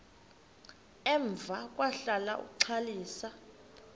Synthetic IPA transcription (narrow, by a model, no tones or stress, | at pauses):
ɛɱb̪vʱak̬ʼwaɬala̰ṵǀʰaliːsa